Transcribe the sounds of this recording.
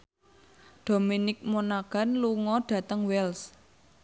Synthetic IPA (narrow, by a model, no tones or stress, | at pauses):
ɖ̥o̤minɪk̚monaɡ̥a̤nluŋɔɖ̥ä̤t̪əŋwɛls